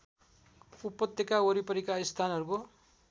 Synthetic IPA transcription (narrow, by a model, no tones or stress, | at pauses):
upːʌt̪ːekaoɾipʌɾikaist̪ʰanʌɾuko